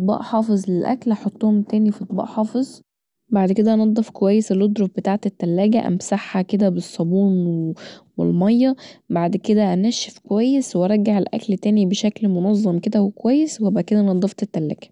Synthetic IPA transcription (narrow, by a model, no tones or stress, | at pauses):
t̪̚ˤbɑ̰ːʔħɑːfezˤlelʔæ̰klɑħɑt̪ˤːohomt̪æːnifɑt̪ˤbɑ̰ːʔħɑːfezˤ | baʕd̪ked̪æʔɑnɑd̪ˤːɑfkowæjːeselod̪ɾofbet̪aːʕt̪et̪ːælːæːɡæʔæ̰msaħːæked̪æbesˤːɑbuːnwwḛlmɑjːɑbaʕd̪ked̪æʔænæʃefkowæjːeswɑɾˤɑɡaʕelʔæ̰klt̪æːnibeʃæklmonɑzˤːɑmked̪æhowkowæjːeswebaʕd̪̚ked̪æʔnɑd̪ˤːɑft̪et̪ːælːæ̰ːɡ̥æ̥